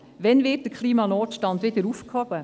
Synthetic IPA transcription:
ʋɛnvɪt̚d̥əkʰχliːmɑnɔːtʃtɑndʋɪdəɾufkhɔb̥ə

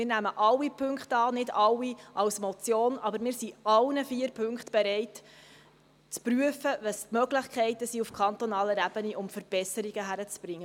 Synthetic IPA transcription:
mɪːrnæməʔɑlːipʰɵŋkχtɑːnɪdɑlːiʔɑwsmɔt͡sjoːnɑbəɾmɪːɾsiɑlnəfiːəɾpʰɵŋktb̥ɛɾɛɪt | t͡spryəfəʋəstmœɡləχkʰɛɪtəsiufkʰɑnt̪onɑːləɾæb̥əniʔʊmfəɾb̥ɛsəɾiɡ̥əɦæɾət͡sb̥ɾɪŋːə

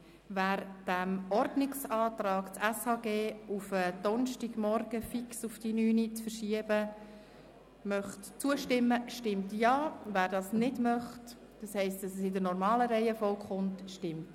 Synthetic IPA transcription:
væːɾd̥æmɔɾdnɪksɑːtɾɑːɡt͡sɛshɑːɡeːufəd̥ɔnʃtɪɡ̥mɔɾɡ̥əfiksufd̥inyːnit͡sfəɾʃiəb̥ə | mœχtt͡suəʃtɪmːəʃtɪmtjɑːvæːɾdɑːsnɪdmœχt | d̥ɑshɛɪstdɑsəsɪdənɔɾmɑːləɾɛɪəfɔlkχʊntʃtɪmt

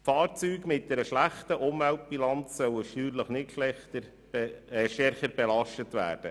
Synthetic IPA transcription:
fɑːɾt͡syːɡmɪt̚dɛɾəʃlæχt̪əʔʊmvælt̚b̥ilɑnt͡ssœwəʃtyːɾləχnɪtʃlɛtə | ʃtɛɾχəɾbɛlɑʃtətʋæ̰ːɾd̥ə

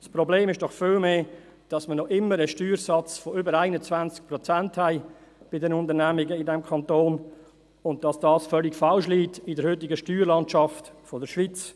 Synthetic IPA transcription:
spɾɔbleːmɪʃd̥ɔχfɪlmeː | d̥ɑsmənɔʔɪmːəɾəʃtyːɾsɑt͡sfɔʏbəɾaɪnət͡svænt͡sk̚pɾɔt͡sænthæɪb̥ɪdɛnʊnt̪əɾnæmɪɡəɪdɛmkʰɑntoːn | ʊn̚d̥ɑsd̥ɑːsfœlɪɡfɑlʃliːtɪdəɾhøtɪɡəʃtyːɾlɑntʃɑftfɔdəɾʃʋit͡s

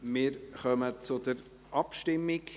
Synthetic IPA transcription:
mɪːɾχœmət͡sʊdəɾ | ʔɑpʃtɪmːɪk

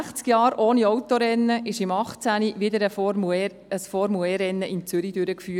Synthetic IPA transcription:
χt͡skjɑːɾoːniɔwt̪oɾɛnːəʔɪʃɪmɑχt͡sæniʋɪd̪əɾəf | əsfɔɾmuɛɾɛnːəʔɪnt͡sʏɾid̥̪øɾəkfyː

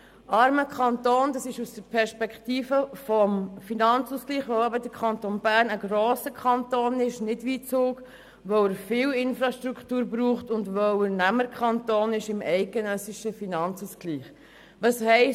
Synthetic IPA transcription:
ɑɾməkʰχɑnt̪oːndɑsɪʃusd̥əɾpʰɛɾʃpɛkχtiːfəfɔmfinɑnt͡suskliːχʋoʊɛbədəɾkʰχɑntoːnbæːɾnəɡɾoːsəkʰχɑntoːnɪʃnɪdʋiːt͡suːk | ʋoəɾfɪwɪnfɾɑʃtɾukχtuːɾbɾuːχtʊndʋɔənæməɾkʰχɑntoːnɪʃɪmʔɛɪk̚ɡ̥ɛnœsiʃəfinɑnt͡suskliːχ | ʋɑshɛɪ

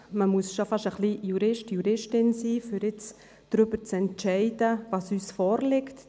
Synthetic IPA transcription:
məmuəsʃofɑʃəχlijuɾɪʃtjuɾɪʃtɪnsiːfʏɾɪt͡s | d̥ɾʏbəɾt͡sɛntt͡ʃɛɪdəvɑːsyːsfɔːɾlɪkt

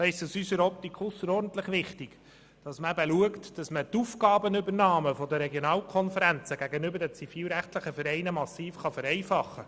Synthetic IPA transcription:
ɑɪstəsysəɾɔp̚tikχʊsːəɾɔːɾdn̩t̪ləχʋɪχtiɡ̥ | d̥ɑsməæbəluəktd̥ɑsmətuːfɡ̥ɑːbənʏbəɾnɑːməfɔdəɾɛɡjonɑːlkʰɔnfəɾænt͡səɡæɡənʏbəɾdɛt͡sifiːlɾæχtləχəfɛɾɛɪnəmɑsiːfχɑfəɾɛɪfɑχːə

